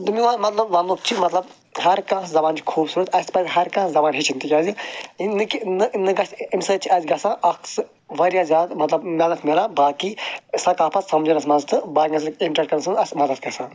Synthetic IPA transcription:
d̪ɨmiʋamɐt̪lɐbʋɐnluk̚t͡ʃʰimɐt̪lɐb | ɦɐɾkãːszɐbaːnt͡ʃʰi̥kʰuːbsuɾɐt̪ʰɐsʲpɐzɦɐɾkãːszɐbaːnɦit͡ʃʰint̪ikʲaːziinɨkinɨʔnɨɡɐsimʲsɐt͡ʃʰiɐzʲɡɐsãːʔɐks | ʋɐɾjazʲaːmɐt̪lɐbnʲɐlɐt̪ʰmelabaːkisɐkaːpʰɐt̪sɐmd͡ʒɐnɐsmɐnzt̪ɨbaːɐs̬kiɳʈɾɐʈ̚kɐɾnsɨɐsʲmɐd̪ɐd̪̚kʲɐsãː

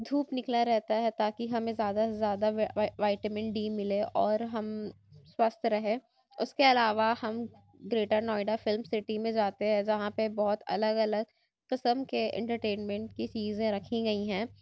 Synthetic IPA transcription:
d̪ʱuːpnɪklaɾɛɦt̪aɦɛt̪aːkiɦɐmẽzjaːd̪azjaːd̪aʋaːɪʈəmɛ̃ɳʈɖiːmɪleʔɔːɾɦɐm | swɐst̪ʰɾɐɦẽː | ʊskeɐlaːʋahɐm | ɡɾeːʈanɔːɪɖafɪlmsɪʈimẽd͡ʒaːt̪eɦɛ̃d͡ʒɐɦãpebɔɦʊt̪ɐ̰ləɡɐləɡ | qɪsəmkeɛ̰̃ɳʈəɾʈeːnmɛ̃ɳʈ̚kit͡ʃiːzẽɾɐkʰĩɡɐiɦɛ̃ː

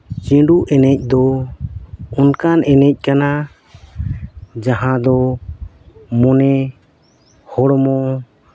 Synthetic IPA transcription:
t͡ʃĩɖuʔɛnɛc̚ˀd̪ɔ | unkanɛnɛc̚ˀkana | d͡ʒaɦãd̪ɔ | mɔnɛ | hɔɽmɔ

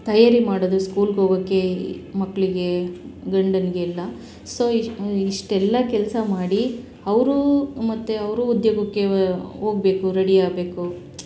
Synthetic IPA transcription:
t̪ɐjaːɾimaːɽod̪uskuːlɡoːɡɐkːe̞mɐkːɐɭiɡe̞ɡɐɳɖɐnɡeilːɐ | so̞ːiʂʈɛlːɐkɛlɐsɐmaːɽi | ɐʋɾumɐt̪ːeɐʋɾuːd̪jɐɡɐkːe̞ɦo̞ːɡbe̞ːkuɾɐɽiaːɡbe̞ːku

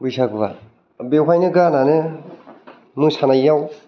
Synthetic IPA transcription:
bujsaɡɯβa̰ | bewajnɯɡanane | mɯsanajːaw

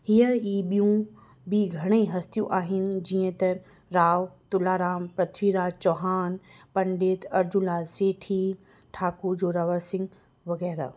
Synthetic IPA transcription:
ɦijəiːɓijũ | biɡʱɐɽ̃eiɦɐst̪ijũʔaːɦɪnɪ̆d͡ʑiːə̃t̪ɐ | ɾaːʋt̪ʊlaːɾaːmpɾɐt̪ʰʋiːɾaːt͡ɕɔːɦaːnpɐ̃ɳɖeːt̪ʰɐɾd͡ʑʊlaːseːʈʰi | ʈʰaːkud͡ʑoːɾaʋəɾsɪ̃ŋɡ | ʋɐɣɛːɾa̰

